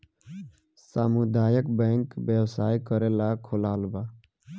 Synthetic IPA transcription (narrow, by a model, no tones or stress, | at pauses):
samud̪aːjəkbɛ̃ŋkbewsaːikəɾelakʰolaːlbaː